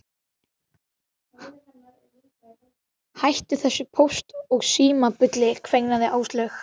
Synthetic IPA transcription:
hajht̪ʏθɛsːɪpʰowst̪ɔɣsiːmapʏt̪lɪkʰvejknaðɪʔaːwst̪lœx

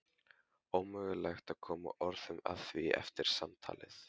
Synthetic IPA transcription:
owmʏɣʏlajxt̪aðkʰɔːma̰ʔɔɾðʏma̰ðθviɛ̰ft̪ɪɾ̥samt̪ʰa̰ːlɪθ

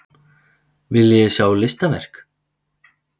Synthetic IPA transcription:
vɪljɛɣsjaːwlɪst̪avɛr̥k

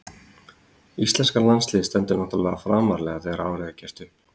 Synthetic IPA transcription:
ist̪lɛnskalanslɪːðst̪ɛnt̪ʏɾnɔht̪ɾvɛːɣðafɾaːmaɾlɛɣaθɛɛɾaːwɾɛɣacɛst̪ʏ

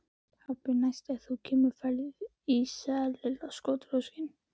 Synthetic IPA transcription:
hawpɪnajst̪ɛɣθucʰɛːmʏɾfɛɾðɪð | isaːlɪlaskɔːt̪ɾowscɪn

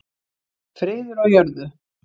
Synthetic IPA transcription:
fɾɪːðʏɾawjœɾðʏ

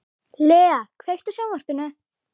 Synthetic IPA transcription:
lɛːakʰvejxt̪ʏsjawnvar̥pɪnːʏ

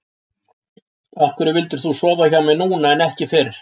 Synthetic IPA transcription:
ahkvʏɾɪvɪlt̪ɪɾ̥θusɔːvaçamɛnuːnaɛnɛhcɪfɪɾ̥

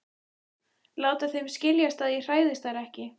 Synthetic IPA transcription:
laːwt̪aθejmscɪljast̪aðir̥aːjðɪst̪aɾɛhcɪ

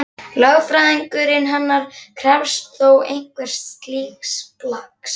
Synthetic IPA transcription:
lœɣfɾaðiŋkʏɾɪnɦanːaɾ̥kʰɾɛfst̪θowejŋ̥kvɛɾ̥r̥st̪st̪liːxsplaks

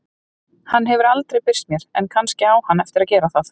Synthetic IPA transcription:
hanːɦɛvʏɾalt̪ɾejpɪr̥t̪mjɛɾ̥ɛnkʰanscɪaːwhanːɛft̪ɪɾaðcɛːɾaθaθ

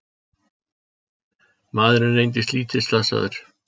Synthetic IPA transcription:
maːðɾɪnrejnt̪̬ɪst̪liːt̪ɪslasa̰ðʏ̰ɾ̥

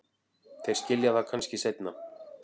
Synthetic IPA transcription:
θejɾ̥scɪljaðakʰanscɪsejt̪na

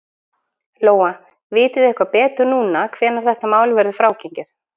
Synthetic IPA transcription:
loːwa | vɪːt̪ɪðɛhkvapɛːt̪ʏɾnuːnakʰv̥ɛːnaɾ̥θɛht̪amaːwlvɛɾðʏfɾaːwceɲcɪθ

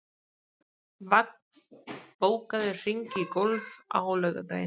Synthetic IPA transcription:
vak̚npowkaðɪriŋkikolva̰ɣolɛɣat̪aj

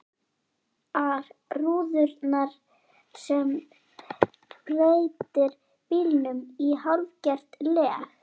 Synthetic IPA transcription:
aɾruːðʏɾt̪naɾ̥ | sɛm | preːjt̪ɪɾ | pilnʏmihalvcɛr̥t̪lɛːx

